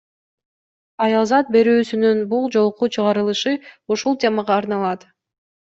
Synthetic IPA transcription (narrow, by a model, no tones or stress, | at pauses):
ɑjɑlˠzɑt̪̚be̞ɾyːsynynbulˠd͡ʒo̞lˠqut͡ʃʰɯʁɑɾɯlˠɯʃɯuʃulˠt̪ʲe̞mɑʁɑːɾnɑlˠɑt̪